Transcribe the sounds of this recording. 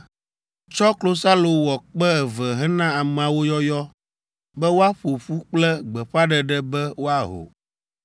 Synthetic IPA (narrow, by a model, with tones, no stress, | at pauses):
t͡ʃɔ˦klo˦sa˦lo˨wɔ˨k͡pɛ˦ɛ˨vɛ˨ɦɛ˦nã˦a˨m̃˨a˨wo˦jɔ˦jɔ˦ | bɛ˦wo˦a˦ɸo˨ɸu˦k͡plɛ˦ɡ͡bɛ˨ɸa˦ɖɛ˨ɖɛ˦bɛ˦wo˦a˨ɦo̰˨